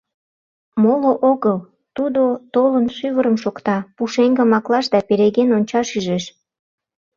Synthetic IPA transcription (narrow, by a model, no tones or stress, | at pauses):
moloʔoɣəl | t̪ud̪ot̪olənʃyβəɾəmʃokt̪ɑpuʃeŋɡə̆mɑklɑʃd̪ɑpeɾeɣenonʲt͡ɕɑʃyʒeʃ